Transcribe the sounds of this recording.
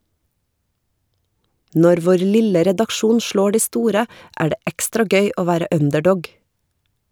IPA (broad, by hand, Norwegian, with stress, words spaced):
ˈnɔɾ ˈʋoːɾ ˈlɪlə ɾɛdɑkˈʃuːn ˈʃloː ˈɖiː ˈstuːɾə ˈæː ˈɖeː ˈɛkstɾɑ ˈɡœʏ ˈoː ˈʋæːɾə ˈœndɛˌɖɔɡ